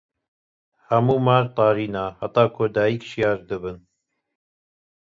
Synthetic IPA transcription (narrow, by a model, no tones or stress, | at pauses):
hɐmuːmaːɾt̪ˤɑːɾiːnaːhɐt̪ɑːkʰoːd̪aːjikʃijɑːʒd̪ɨbɨn